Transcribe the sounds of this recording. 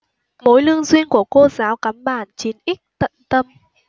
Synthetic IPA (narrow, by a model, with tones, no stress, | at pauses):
mo˨˦jlɨ˧əŋzwi˧ənku˧˩əko˧zaː˨˦wkaː˨˦mɓaː˧˩nt͡ɕi˨˦nʔï˦˥k̟̚t̪ə̰˧˨nt̪ə˧m